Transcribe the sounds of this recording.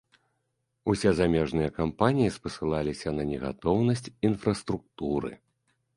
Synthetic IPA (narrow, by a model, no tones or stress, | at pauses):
usʲɛzamʲɛʐnɨjɐkampanʲijispɐsɨlˠalʲisʲɐnɐnʲɛɣa̰t̪ɔwnɐsʲt͡sʲinfɾɐst̪ɾuk̚t̪uɾɨ̰